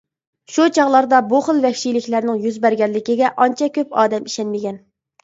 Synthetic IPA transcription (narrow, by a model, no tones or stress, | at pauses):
ʃut͡ʃʰɑʁlˠɑɾd̪ɑbuχəlˠvɛkʲʃijlɪkʲlæɾnɪŋjyzbæɾɡʲɛnlːɪkʲiɡʲɛʔɑnt͡ʃʰɛkʲʰøpɑːd̪ɛmi̥ʃɛnmɪɡʲɛn